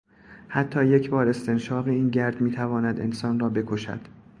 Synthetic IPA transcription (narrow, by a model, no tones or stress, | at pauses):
hæt̪ʰːɒːje̞cʰbɒːɾe̞st̪e̞nʃɒːɣeiːnɟæɾd̪miːt̪ʰævɒːnæd̪e̞̰nsɒːnrɒːbe̞kʰo̞ʃæ̰d̪̥